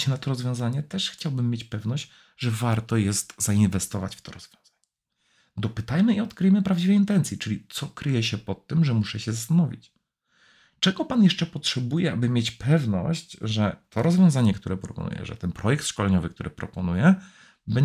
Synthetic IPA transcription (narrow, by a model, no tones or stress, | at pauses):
ɕɛnat̪ɔɾɔzvjɔ̃w̃zaɲɛt̪ɛʂxt͡ɕawbɘmːjet͡ɕpɛvnɔɕt͡ɕ | ʐɛvaɾt̪ɔjɛst̪zainvɛst̪ɔva̰t͡ɕft̪ɔɾɔzvʲjɔ̃w̃z̥aɲɛ | d̪ɔpɘt̪ajmɘiɔt̪kɾɘjmɘpɾavd͡ʑivɛjint̪ɛnt̪sjit͡ʂɘlʲit̪sɔkɾɘjɛɕɛpɔt̪ːɘmʐɛmuʂɛɕɛzast̪anɔvʲḭt͡ɕ | t͡ʂɛɡɔpanjɛʂt͡ʂɛpɔtʂɛbujɛabɘmʲjɛt͡ɕpʰɛvnɔ̰ɕt͡ɕʐɛt̪ʰɔɾɔzvʲjɔ̃w̃zaɲɛk̚t̪uɾɛpɾɔpɔ̰nṵjɛ̰ʐɛ̰t̪ɛnpɾɔjɛkt̪ʂkɔlɛɲɔvɘkt̪uɾɘpɾɔpɔnujɛ | bɛɲ